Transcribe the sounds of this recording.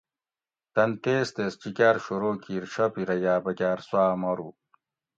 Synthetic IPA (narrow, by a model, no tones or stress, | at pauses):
t̪ɐnt̪eːst̪est͡ɕikʲaːɾɕoɾoːkiːɾɕɐpiɾɐjaːbɐkʲaːɾswaːmɐɾu